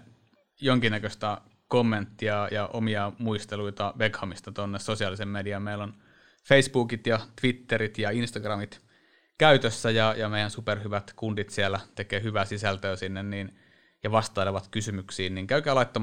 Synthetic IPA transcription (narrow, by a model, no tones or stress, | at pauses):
joŋkinːækøst̪æ | komːent̪ːiɑjɑʔomiɑmuist̪eluit̪ɑʋekhɑmist̪ɑt̪onːessosiɑlisemmediæmmeilːon | feisbuːkit̪jɑt̪ʋit̪ːeɾit̪jɑinst̪ɑɡrɑmit̪ | kæyt̪øsːæjɑjɑmeˑjænsuperhyʋæt̪kundit̪sielːæt̪ekeːhyʋæsisælt̪øːsinːenniːn | jɑʋɑst̪ˑɑˑeleʋɑt̪kysymyksiːnniŋkæykæːlɑˑit̪ːɑ